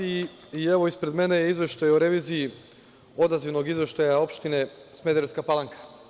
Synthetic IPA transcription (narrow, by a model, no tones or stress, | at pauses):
i | ieʋo̞ispɾe̞d̪me̞nejeizʋe̞ʃt̪ajuɾeʋiːziji | o̞d̪aziʋno̞ɡizʋe̞ʃt̪ajao̞pʃt̪ine̞sme̞d̪eɾeskapalˠaŋkʰḁ